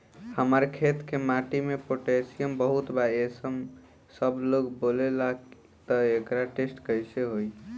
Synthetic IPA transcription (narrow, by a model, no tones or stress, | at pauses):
həməɾkʰet̪kemaʈimepoʈesijəmbəɦut̪baesəm | səbloɡbolela | t̪əekɾaʈesʈkəjseɦoj